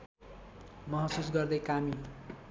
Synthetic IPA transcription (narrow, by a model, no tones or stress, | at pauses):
mʌɦʌsusɡʌrd̪ʌjkami